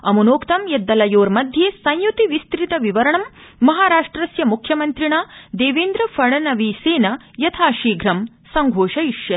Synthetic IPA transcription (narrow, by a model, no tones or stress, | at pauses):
ɐmunoːkt̪ɐmjed̪ːɐlɐjoːɾmɐd̪ʱjeːsɐ̃jjut̪iʋist̪ɾit̪ɐʋiʋɐɾɐɳɐmːɐɦaːɾaːʂʈɾɐsjɐmukʰjɐmɐnt̪ɾiɳaːd̪eːʋeːnd̪ɾɐfɐɽɐnɐʋiseːnɐ | jɐt̪ʰaːʃiːɡʱɾɐm | sɐŋɡʱoːʃɐiʂjɐ